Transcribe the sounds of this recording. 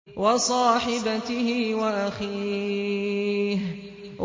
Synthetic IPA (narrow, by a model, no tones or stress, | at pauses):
wɑsˤɑːħɪbat̪ɪhɪwaʔaxiː | h